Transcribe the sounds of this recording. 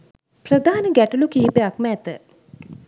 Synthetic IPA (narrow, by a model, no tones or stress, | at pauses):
prəd̪aːnəɡæʈulukiɦipəakməːt̪ə̰